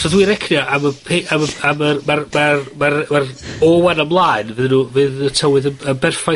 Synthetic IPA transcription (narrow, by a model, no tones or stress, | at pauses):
sɔðwiːɾɛkʰnjaʔaməpʰeʔaməaməmarmarmarmarɔːwanamlˠaːɨnvɨðnuːvɨːðətʰəwɨðəməbɛrfa